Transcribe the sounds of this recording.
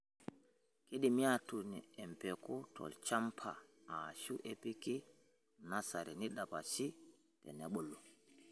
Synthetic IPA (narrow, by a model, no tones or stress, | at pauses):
kiɗimiatuniɛmpɛkɔtʰɔ̰lt͡ʃampʰa̰ːʃuʔepiki | nasaɾɛniɗapat͡ʃi | tɛ̰nɛɓɔlːɔ